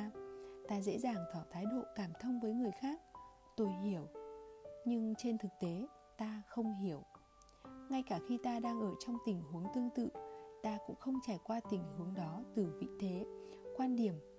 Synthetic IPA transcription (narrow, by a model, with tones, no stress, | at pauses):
t̪aː˧zḛ˧˥zaː˨˩ŋt̪ʰɔ˧˩t̪ʰaː˨˦jɗo̰˧˨kaː˧˩mt̪ʰə˧wŋ͡mvəː˨˦jŋɨ˨˩əjxaː˦˥k̚ | t̪o˧jɦi˧˩əw | ɲɨ˧ŋt͡ɕe˧nt̪ʰɨ˨˩k̚t̪e˨˦ | t̪aː˧xə˧wŋ͡mɦi˧˩əw | ŋa˧jkaː˧˩xi˧t̪aː˧ɗaː˧ŋʔəː˧˩t͡ɕɔ˧wŋ͡mt̪ï˨˩ŋ̟ɦu˨˦əŋt̪ɨ˧əŋt̪ɨ̰˧˨t̪aː˧kʊ̰˧˥ŋ͡mxə˧wŋ͡mt͡ɕaː˧˩jkwaː˧t̪ï˨˩ŋ̟hɨ˨˦əŋɗɔ˨˦t̪ɨ˨˩vḭ˧˨t̪ʰe˨˦kwaː˧nɗi˨˩əm